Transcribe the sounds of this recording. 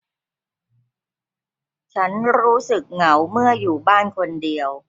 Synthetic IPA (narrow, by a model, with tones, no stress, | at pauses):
t͡ɕʰa˦˥nɾuː˦˥sɯ˨˩k̚ŋa˩˦wmɯ˥˩ɐjuː˨˩baː˥˩nkʰo˧ndi˧əw